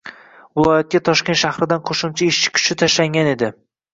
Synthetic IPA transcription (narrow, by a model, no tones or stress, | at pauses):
vɪlˠɒjat̪̚kʲat̪ʰɒʃkʲe̞nʃahɾɪd̪anqʰoʃʊmt͡ʃʰaeʃt͡ʃʰɪ̥kʲʰʊ̥ʃɪt̪ʰaʃlaŋɡʲane̞d̪ɪ